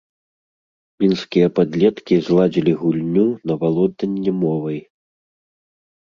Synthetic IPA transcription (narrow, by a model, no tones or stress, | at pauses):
mʲinskʲijɐpad̪lʲɛt̪kʲizlˠad͡zʲilʲiɣulʲnʲunɐvalˠɔd̪̚ɐnʲːɛmɔvɐj